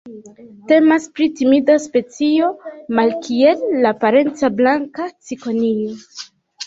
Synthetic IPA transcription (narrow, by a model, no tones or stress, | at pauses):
te̞maspɾitimidaspe̞t͡sio̞malkʰie̞lːapaɾe̞nt͡sablaŋkat͡siko̞nio